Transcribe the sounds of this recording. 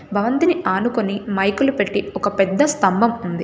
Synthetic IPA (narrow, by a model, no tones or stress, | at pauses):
bʱɐʋɐnt̪iniʔaːnukonimɐjkulupe̞ʈːiɔkɐpɛd̪ːɐst̪ɐmbʱɐmund̪i